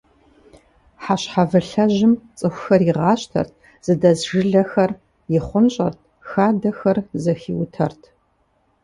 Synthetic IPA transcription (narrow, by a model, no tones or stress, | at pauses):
ħaɕħavɨɬɐʑɪmt͡sʼɨxʷxɐriʁɑːɕtʰɐ̰rt̚ʰ | z̥ɨdɐzʒɨɮɐxɐr | jɪχʷʊnɕʼɐrt̚ʰ | xaːdɐxɐrzɐxiwtʰɐ̰rtʰ